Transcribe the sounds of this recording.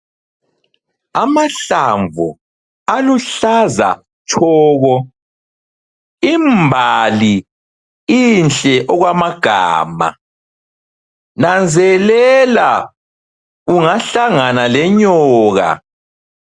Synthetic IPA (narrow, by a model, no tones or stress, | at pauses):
amaɬaɱvu | aluɬaza̰ | t͡ʃʰʼɔːɣɔ | imbʱali | inɬʼɛʔɔɣwamaɡ̥ʱa̰ːma̰ | nand͡zʱɛlɛla | uŋaɬaŋanalɛɲɔːɣa̰